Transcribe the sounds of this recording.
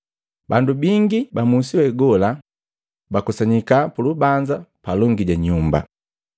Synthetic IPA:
bandubiŋɡibamusiwɛɡɔla | bakɔsaɲikapulubaɲd͡ʒapalɔŋɡiɟaɲumba̰

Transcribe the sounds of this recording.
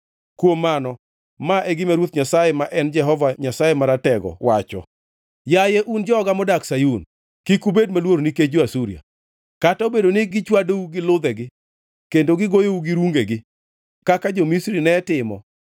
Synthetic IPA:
kwomːanɔ | maʔɛɡɪmaɾwot̪ɲasajemaʔɛnd͡ʒɛɦɔvaɲasajemaɾatɛɡɔ̰wat͡ʃɔ̰ | jajɛʔund͡ʒɔɡamɔdaksajun | kikubedmalwoɾoniked͡ʒoasuɾia̰ | katabedonɪɡɪt͡ʃwadouɡɪlʊd̪ɛɡɪ | kendoɡɪɡojouɡɪɾuŋɡeɡɪ | kakad͡ʒɔmisɾinɛtɪmɔ̰

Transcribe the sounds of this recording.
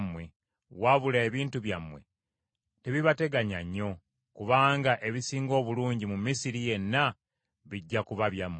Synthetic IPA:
mwe̞ | waβulaeβiːntuβjamwe̞̰ | te̞βiβate̞ɡaɲaɲːo̞ | kuβaːŋɡaʔe̞βisiːŋɡo̞ːβuluːɲɟimumisiɾije̞nːa | βiɟːakuβaβjamː

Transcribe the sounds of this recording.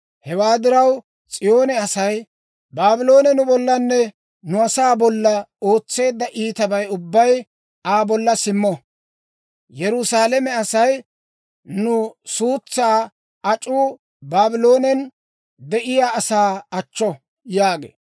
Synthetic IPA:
hɛwaːd̪ɪɾɐw | t͡sʼɪjo̞ːnɛɐsɐj | baːbɪlo̞ːnɛnʊbɔlːɐnːɛ | nʊɐsaːbɔlːɐo̞ːt͡sːe̞ːd̪ːɐʔiːt̪ɐbɐjʊbːɐj | aːbɔlːɐsɪmːɔ | jɛɾʊsaːlɛmɛɐsɐj | nʊsuːt͡sːaː | ɐt͡ʃʼuː | baːbɪlo̞ːnɛn | d̪ɛʔɪjaːsaːɐt͡ʃːɔ | jaːɡḛː

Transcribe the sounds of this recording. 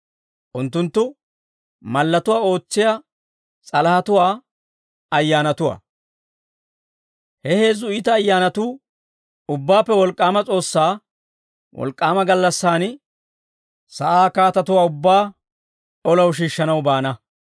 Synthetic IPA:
ʔʊnt̪ːʊnt̪ːʊ | mɐlːɐt̪ʊwaːo̞ːt͡sːɪja | t͡sʼɐlhɐt̪ʊwaː | ɐjːaːnɐt̪ʊwa̰ː | hɛhe̞ːzʊɪt̪ɐːjːaːnɐt̪uː | ʊbːaːpːɛwɔlkʼːaːmɐt͡sʼo̞ːsːaː | wʔɔ̰lkʼːaːmɐɡɐlːɐsːaːn | sɐʔaːkaːt̪ɐt̪ʊwaːʊbːaː | ɔlɐwʃ̬iːʃːɐnɐwbaːnɐ

